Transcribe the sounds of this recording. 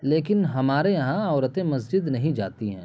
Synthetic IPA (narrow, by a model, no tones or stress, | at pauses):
leːkɪnɦɐmaːɾejɐɦãɔːɾət̪ẽmɐsd͡ʒɪd̪nɐɦĩd͡ʒa̰ːt̪iɦɛ̰̃ː